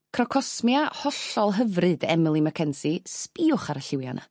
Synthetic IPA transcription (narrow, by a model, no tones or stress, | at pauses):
kʰrɔkʰɔsmjahɔɬɔlˠɦəvrɨdɛmɪlˠimakʰɛnsispiːʊχaɾəɬɪwja̰nʔa̰